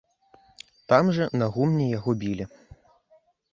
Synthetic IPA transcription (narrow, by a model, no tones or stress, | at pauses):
t̪amʐɐnɐɣumnʲɛjaɣɔbʲilʲi